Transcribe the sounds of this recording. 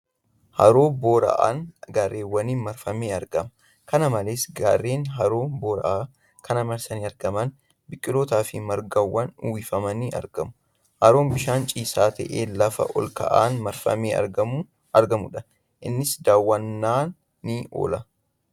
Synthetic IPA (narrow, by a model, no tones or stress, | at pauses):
hɐ̰ɾo̞ːbo̞ːɾɐ̰ʔa̰ːnɡaːrːeːwːɐniːnmɐɾfɐmeːɐɾɡɐmɐ | kɐnɐmɐleːsɡaːrːeːnɦɐɾo̞ːboːɾɐ̰ʔaː | kʰɐnɐmɐɾsɐniːɐɾɡɐmɐn | bɪkʼːɪlo̞ːt̪aːfɪmɐɾɡɐwːɐnʊwɪfɐmɐniːʔɐ̰ɾɡɐmʊ̥ | hɐɾo̞ːmbɪʃaːnt͡ʃʼiːsaːt̪ʰɐ̰ʔeːlɐfɐ̰ʔɔ̰lkɐ̰ʔaːnmɐɾfɐ̰meːɐ̰ɾɡɐmu | ɐɾɡɐmʊᶑɐ | ʔɪnːɪsd̪aːwːɐnːaːnː | ɪʔo̰ːlɐ